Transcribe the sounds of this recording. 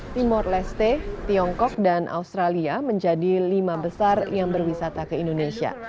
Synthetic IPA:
t̪imɔrlɛst̪et̪iɔŋkɔk̚danʔa̰ust̪ɾaliaməɲd͡ʒadilimabəsarjaŋbərwisat̪akəindonesia̰

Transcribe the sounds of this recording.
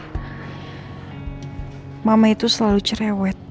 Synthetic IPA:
mamait̪usəlalut͡ʃəɾɛwɛt̪̚

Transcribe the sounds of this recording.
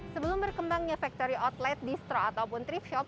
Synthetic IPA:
səbəlʊmbərkəmbaŋɲafak̚t̪oɾiʔɔt̪lɛt̪̚dist̪ɾɔat̪awpʊnt̪ɾipʃɔp̚

